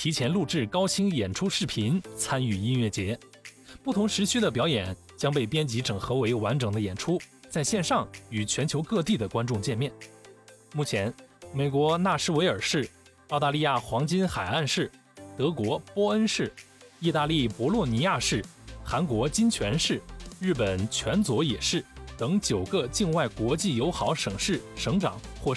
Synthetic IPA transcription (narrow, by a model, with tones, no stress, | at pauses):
t̪ʰi˧˥t͡ɕʰjɛ˧˥nlu˥˧ʈ͡ʂɻ̩˥˩kɑ˥ʊt͡ɕʰi˥ŋjɛ˨˩nʈ͡ʂʰu˥ʂɻ̩˥˩pʰi˧˥nt͡sʰa˥ny˥˩i˥nɥɛ˥˩t͡ɕjɛ˧˥ | pu˥˩t̪ʰʊ˧˥ŋʂɻ̩˧˥ɕy˥d̪ə˨pjɑ˧˥ʊjɛ˨˩˦n | t͡ɕjɑ˥ŋpe˥˩ɪpjɛ˥nt͡ɕi˧˥ʈ͡ʂɤ˨˩ŋxɤ˧˥we˧˥ɪwa˧˥nʈ͡ʂɤ˨˩ŋd̪ə˦jɛ˨˩nʈ͡ʂʰu˥t͡sa˥˧ɪɕjɛ˥˧nʂɑ˥˩ŋy˨˩t͡ɕʰɥɛ˧˥nt͡ɕʰjo˧˥ʊkɤ˥˧t̪i˥˩d̪ə˩kwa˥nʈ͡ʂʊ˥˧ŋt͡ɕjɛ˥˧nmjɛ˥˩n | mu˥˩t͡ɕʰjɛ˧˥nme˨˩ɪkwɔ˧˥na˥˩ʂɻ̩˥we˧˥ɪə˞˨˩ʂɻ̩˥˩ | ɑ˥˧ʊt̪a˥˧li˥˧ja˥˩xwɑ˧˥ŋt͡ɕi˥nxa˨˩ɪa˥˧nʂɻ̩˥˩ | t̪ɤ˧˥kwɔ˧˥pwɔ˥ə˥nʂɻ̩˥˩ | i˥˧t̪a˥˧li˥˩pwɔ˧˥lwɔ˥˩ni˧˥ja˥˧ʂɻ̩˥˩xa˧˥nkwɔ˧˥t͡ɕi˥nt͡ɕʰɥɛ˧˥nʂɻ̩˥˩ɻɻ̩˥˩pə˨˩nt͡ɕʰɥɛ˧˥nt͡swɔ˧˥jɛ˨˩ʂɻ̩˥˩t̪ɤ˧˥ŋt͡ɕjo˨˩ʊkə˧t͡ɕi˥˧nwa˥˩ɪkwɔ˧˥t͡ɕi˥˩jo˧˥ʊxɑ˧˥ʊʂɤ˨˩ŋʂɻ̩˥˩ʂɤ˧˥ŋʈ͡ʂɑ˨˩˦ŋxwɔ˥˩